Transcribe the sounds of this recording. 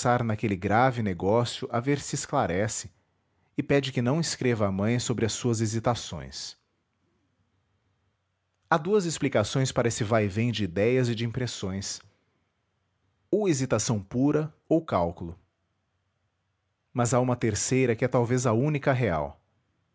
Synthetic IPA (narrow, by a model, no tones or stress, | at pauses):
saɾnakelɪɡɾavɪneɡɔsjʊʔaveɾsɪːsklaɾɛsɪ̥ | ɪpɛd͡ʒɪkɪnɐ̃w̃ɪskɾevɐːmɐ̃j̃sobɾɪɐsuɐzezit̪asõ̰j̃s | ad̪uɐzɪsplikasõj̃spaɾɐesɪvajvẽj̃d͡ʒɪid̪ɛjɐzɪd͡ʒɪĩpɾesõj̃s | owezit̪asɐ̃w̃puɾɐ | owkawkulʊ | mɐzaũmɐt̪eɾsejɾɐkɪɛt̪awvezɐũnikɐɦea̰w